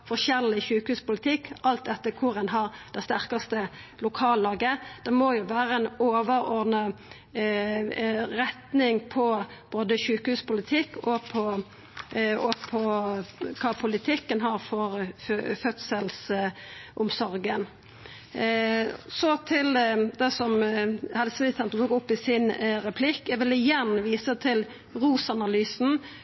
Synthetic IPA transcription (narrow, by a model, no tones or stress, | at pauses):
fɔʁʃɛʁlɪçʉːkhʉːspʊlɪt̪ʰɪkːɑlt̪̚d̪ɛt̪ːəkʰʊɾɛnɦɑɾd̪̥ɛst̪æʁkɑst̪əlʊkʰɑːlːɑːɡəd̪̥ɛmɔjʊʋæːʁəɛnoːʋəɾɔɾd̪nɑ | ɾɛt̪nɪŋpʰɔb̥oːd̪əʃʉːkhʉːspʊlɪt̪ʰɪkːɔpʰɔ | ɔpʰɔ | kʰɑːpʰʊlɪt̪ʰɪkːənɦɑɾfɔɾfœt̪səls | ʔʊmsɔɾɡən | sɔt̪ʰɪld̪ɛsɔmhɛlsəmɪlɪt̪ʰɛnt̪əd̪oːɡʊpːɪsɪnɾɛpʰlɪkːɛʋɪlɪjɛnːʋiːsət̪ʰɪl | ɾuːsɑnɑlyːsn̩